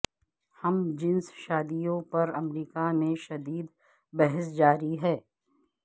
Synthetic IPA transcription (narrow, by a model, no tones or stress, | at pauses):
hɐmd͡ʒɪnsʃaːd̪ijõpɐɾɐmɾiːkamẽʃɐd̪iːd̪ | bɛɦɛs̬d͡ʒaːɾiɦɛː